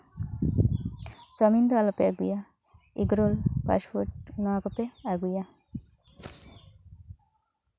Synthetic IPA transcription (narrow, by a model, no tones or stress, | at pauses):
sɔmind̪ɔalɔpeaɡuja | iɡɾolpa̰spoʈ̚nɔaɡɔpeaɡuja